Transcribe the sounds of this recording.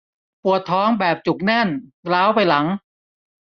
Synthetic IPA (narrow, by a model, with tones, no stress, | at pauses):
pu˨˩ət̪ʰːɔː˦˥ŋbɛː˨˩p̚t͡ɕu˨˩k̚nɛ˥˩nlaː˦˥wpa˧jla˩˦ŋ